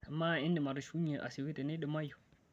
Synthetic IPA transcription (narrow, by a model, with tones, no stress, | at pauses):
a˨ma˦˨i˦ndi˨ma˨ɾu˨ʃu˦ɲi˨ʔa̰˨si˨wi˦tɛ˨nɛ˦ɗɛ˨ma˦ju˨